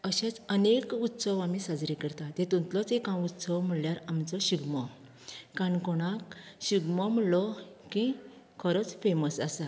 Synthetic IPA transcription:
əɕɛ̃t͡sənekut̪səʋamisad͡zɾikəɾt̪at̪ɛ̃t̪unt̪lɔt͡sekãut̪səʋm̤əɭjaɾamt͡sɔɕiɡmɔ | kãɳkɔɽ̃akɕiɡmɔm̤əlɔkĩ | kʰɔɾɔt͡sfeməsasa

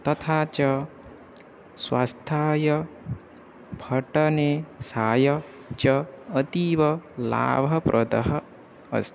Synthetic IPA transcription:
t̪ʌt̪ʰat͡ʃʌ | swa̰st̪ʰajʌ | bʱʌʈʌnesajʌ | t͡ʃʌːt̪ibʌla̰bʱʌpɾʔɔd̪ɐɦʌ̰ː | st̪i

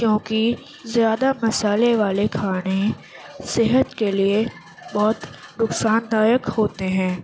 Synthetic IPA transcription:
kjõːki | zjaːd̪amɐsaːleʋaːlekʰaːɽ̃e | sɪɦət̪kelie | bɔːt̪nʊksaːnd̪aːjəkhoːt̪eɦɛ̃ː

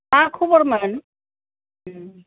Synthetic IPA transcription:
akʰubɔɾman

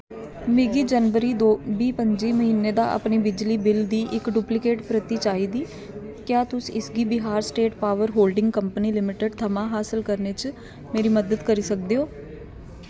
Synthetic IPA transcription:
mɪɡiːd͡ʒənʋəɾiːd̪oːbiːpəɲd͡ʒiːməɦiːneːd̪a̰ːʔə̰pneːbɪd͡ʒliːbɪld̪iːʔɪkɖuːplɪkeːʈpɾət̪iːt͡ʃaːiːd̪iː | kjaːt̪ʊsɪsɡiːbɪɦaːɾsʈeːʈpaːʋəɾɦoːlɖɪ̃ŋɡkəmpəniːlɪmɪʈəɖt̪ʰəmãːɦaːsɪlkəɾnet͡ʃ | meːɾiːməd̪əd̪kəɾiːsək̚d̪eːoː

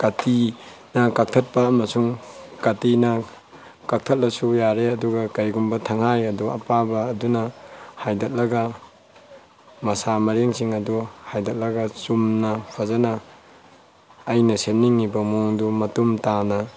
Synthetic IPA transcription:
katinɐkak̚tʰɐt̚pɐːmɐsuŋkatinɐ | kak̚tʰɐt̚lɐsujaɾeɐduɡɐkɐjɡumbɐtʰɐŋhajɐduɐ̰pabɐːdunɐhajdɐt̚lɐɡɐ | mɐsamɐɾeŋsiŋɐduhajdɐt̚lɐɡɐsumnɐpʰazana | jnɐsem̚niŋːibɐmuŋdumɐtumtanɐ

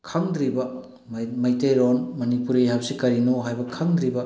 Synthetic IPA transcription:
kʰɐŋd̪ɾibɐ | mɐjtejɾonmɐnipuɾeɦɐp̚sikɐɾinoɦajbɐkʰɐŋd̪ɾibɐ

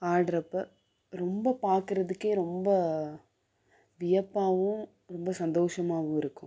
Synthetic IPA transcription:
aːɖɾɐpːɐ | ɾɔmbɐpaːɾkɯɾɐðɯkːeːɾɔmbɐ | ʋɪjɐpːaːʋʊ̃ | ɾɔmbɐsɐnd̪oːʂɐmaːʋʊ̃ɪɾɯkːʊ̰̃

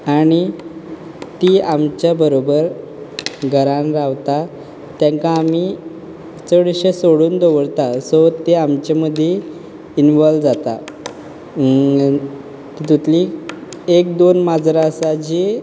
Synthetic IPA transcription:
aɽ̃i | t̪iamt͡ɕjabəɾobəɾ | ɡʱəɾãnɾaʋt̪a | t̪jãŋkaːmi | t͡səɽɕesoɽuːnd̪oʋəɾt̪asɔt̪eamt͡ɕeməd̪ʱːje | inʋɔlʋd͡zat̪a̰ | kit̪ut̪li | ekd̪onmad͡zɾasad͡ʑi

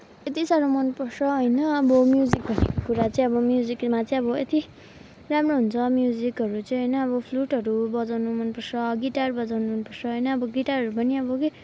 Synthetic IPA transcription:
et̪isaɾomʌnpʌrsʰʌɦʌjnʌʌbʌmjuzikbʱʌnekkuɾat͡sʌĩʌbʌmjud͡zikmat͡sʌj̃ʌbʌet̪i | ramroɦunt͡sʰʌmjud͡zikʌɾut͡sʌĩɦʌjnʌːbʌpʰluʈʌɾubʌd͡zawnumʌnpʌrsʌɡiʈarbʌd͡zawnuɦʌnpʌrsʰʌɦʌjnʌːbʌɡiʈarʌɾupʌniʌbʌke

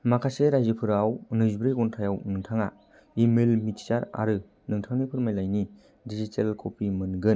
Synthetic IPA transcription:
makʰaseɾajzipʰɯɾawnɯzbɾɯjɡɔntʰajawnɯŋtʰaŋa̰ | imelmiti̥saɾa̰ɾɯ | nɯŋtʰaŋnipʰɯɾmajlajni | dizitʰelkʰopimɯnɡɯn

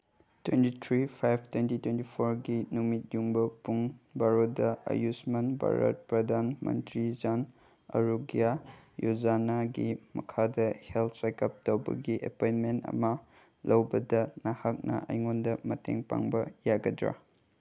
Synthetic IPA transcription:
twentitʰɾipʰajb̚ʰtwentitwentipʰoɾɡinumit̚juŋbɐpuŋbaɾodɐɐ̰jusmɐnba̰ɾa̰t̚pɾɐdanmɐ̰ntɾid͡ʒan | ɐ̰ɾuɡijajuzanaɡimɐkʰadɐhelt̚ʰsajkap̚towbɐ̰ɡiʔepojnmentɐ̰mɐ | lʔɐwbɐdɐnahak̚nɐ̰ɐjŋondɐmɐtḛŋpa̰ŋbɐjaɡɐdɾa̰

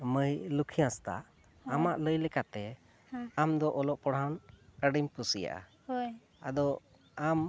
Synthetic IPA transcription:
məjlukʰijãst̪a̰ʔ | amaʔləjlɛkat̪ɛ | amd̪ɔʔɔlɔʔpɔɽawnkəɖimpusija̰ʔa̰ | a̰d̪ɔ | am

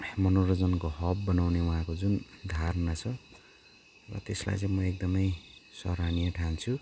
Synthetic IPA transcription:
mʌnorʌd͡zʌnkoɦʌb̚ːʌnawnewuɦãkod͡zund̪ʱarnat͡sʰʌ | rʌ̰t̪esla̰jt͡sʌ̃j̃mʌek̚d̪ʌmʌjsʌ̰ɾanijʌʈʰant͡sʰu

